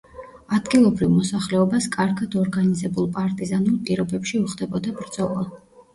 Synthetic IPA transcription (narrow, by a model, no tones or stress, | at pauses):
ad̪ɡilˠɔbɾivmɔsaχlɛɔbaskʼaɾɡad̪ɔɾɡanizɛbulˠpʼaɾt̪ʼizanulˠpʼiɾɔbɛpʃiuχd̪ɛbɔd̪abɾd̪z̥ɔlˠa